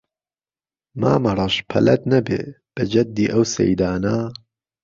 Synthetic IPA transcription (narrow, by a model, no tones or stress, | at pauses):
maːmɐrˤɑʃpʰɐ̰lɐt̪nɐbḛː | b̥ɐd͡ʒɐd̪ːiːʔɐwsɛ̰jd̪aːna